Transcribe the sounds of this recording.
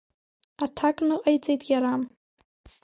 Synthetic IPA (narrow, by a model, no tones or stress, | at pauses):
atʰakʼnɨqʼajt͡sʼejtʼɡ̥ʲaɾam